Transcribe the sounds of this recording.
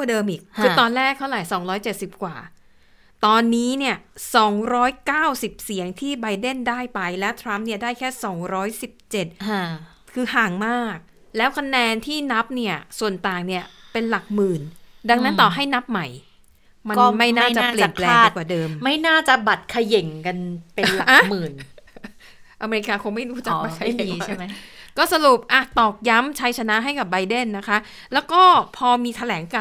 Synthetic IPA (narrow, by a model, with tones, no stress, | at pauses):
dɤː˧mʔiː˨˩k̚ʰːɯː˧t̪ɔː˧nlɛː˥˩k̚t̪ʰwla˨˩˦jsɔː˩˦ŋɾɔː˦˥jt͡ɕe˨˩t̪̚si˨˩p̚kwa̰ː˨˩ | t̪ɔː˧nːiː˦˥ni˥˩ɐsɔː˩˦ŋɾɔː˦˥jkaː˥˩wsi˨˩p̚si˩˦əŋt̪ʰiː˥˩ba˧jde˥˩ndaː˥˩jpa˧jlɛ˦˥wt̪ʰɾa˦˥mni˥˩ɐdaː˥˩jkʰɛː˥˩sɔː˩˦ŋɾɔː˦˥jsi˨˩p̚t͡ɕe˨˩t̪̚ | kʰɯː˧ɦaː˨˩ŋmaː˥˩k̚ | lɛː˦˥wkʰa˧nɛː˧nt̪ʰiː˥˩na˦˥p̚ni˥˩ɐsu˨˩ənt̪aː˨˩ŋni˥˩ɐpe˧nla˨˩k̚mɯː˨˩nda˧ŋna˦˥nt̪ɔː˨˩ɦa˥˩jna˦˥p̚ma˨˩j | ma˧ma˥˩jnaː˥˩t͡ɕaː˨˩˧pli˨ənpʰlɛːaŋː˥˨˧kwaː˨˩dɤː˧mma˥˩jnaː˥˩t͡ɕa˨˩ba˨˩t̪̚kʰa˧je˨˩˦ŋka˧npe˧nla˨ʔa˩˧mɯː˨˩n | ʔa˧meː˧ɾi˧kaː˧kʰo˧ŋma˥˩jduː˦˥t͡ɕa˨˩ka˥a˥˩˧ | kɔː˥˩sa˧ɾu˨˩p̚ʔa˧˩t̪ɔː˨˩k̚ja˦˥mt͡ɕʰa˦˥jt͡ɕʰa˧na˦˥ʔɦa˥˩jka˨˩p̚ba˧jde˥˩nːa˦˥kʰa˦˥ʔ | lɛː˦˥wkɔː˥˩pʰɔː˧miː˧t̪ʰa˧lɛː˩˦ŋka˧